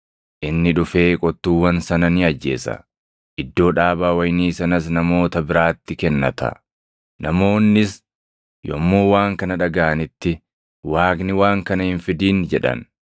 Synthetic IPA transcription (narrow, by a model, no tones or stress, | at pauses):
ʔɪnːɪᶑʊfe̞ːkʼɔt̪ːuːwɐnsɐnɐnɪɐd͡ʒːe̞̰ːsɐ̰ | ʔɪd̪ːo̞ːᶑaːbaːwɐjniːsɐnɐs̬nɐmo̞ːt̪ɐbɪɾaːt̪ːɪkɛnːɐ̰t̪ɐ̰ | nɐmo̞ːnːɪs | jɔmːoːwaːŋkɐnɐᶑɐɡaːɐnɪt̪ːɪ | waːknɪwaːŋkɐnɐhɪnfɪd̪iːnd͡ʒɛᶑɐ̰n